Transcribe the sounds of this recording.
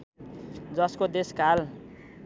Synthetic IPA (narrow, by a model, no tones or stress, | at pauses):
d͡zʌskod̪eskal